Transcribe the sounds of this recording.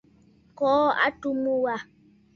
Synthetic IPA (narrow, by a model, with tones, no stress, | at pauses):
kɔː˨˦a̰˦tu˦mu˦wa˦˨